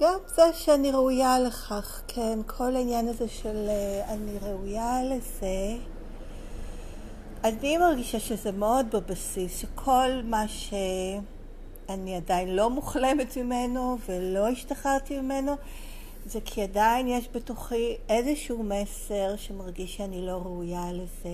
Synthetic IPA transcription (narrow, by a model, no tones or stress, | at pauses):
ɡ̥amzeʃeaniʁeujaleχaχkʰenkʰo̞lainjanazeʃelaniʁeujaleze | animaʁɡiʃaʃezemeo̞d̚bebasisʃekʰo̞lmaʃe | aniadajinlo̞muχlemetmimeno̞velo̞iʃtaχaʁtimimeno̞ | zekʰiadainjeʃbetuχiezeʃuumese̞ʁʃemaʁɡiʃeanilo̞ʁeujaleze